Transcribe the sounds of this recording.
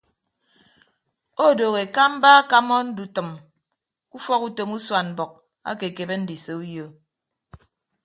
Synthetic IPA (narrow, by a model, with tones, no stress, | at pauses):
o˦˨do˨ɣe˨ka˦m̩˦ba˦ka˦mɔ˦n̩˦du˨tɨ˨m | ku˦fɔ˦ku˦to˨mu˦swa˨nm̩˨bɔ˨k̚ | a̰˦ke˨ke˨be˦n̩˦di˨se˨u˦jo˦